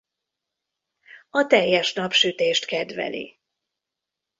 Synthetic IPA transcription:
ɒt̪ɛjːɛʃnɒpʃyt̪eːʃt̪kɛd̪ʋɛ̰lḭ

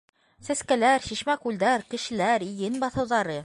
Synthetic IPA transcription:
sæskælæɾʃiʃmækʉld̪æɾkɘ̆ʃɘ̆læɾijɘnbɑθɤ̆wðɑɾɤ

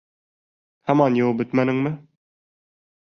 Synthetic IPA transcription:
hæmɑnjobɵ̆t̪mænɘŋmɘ

